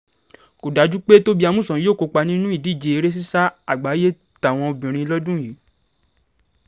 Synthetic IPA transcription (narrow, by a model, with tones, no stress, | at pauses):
ko˨da˨˦d͡ʒu˦k͡pe˦to˦bi˦a˧mũ˦˨sɔ̃˨˦joː˦˨ko˧k͡pa˧nĩ˦nũ˦i˦˨di˨˦˨d͡ʒe˨˧e˧ɾe˦s̬i˦sa˦a˦˨ɡ͡ba˨˦je˦˨ | ta˨w̃ɔ̃˧o˧bĩ˨ɾ̃ĩ˧lɔ˦dũ˦˨ji˨˦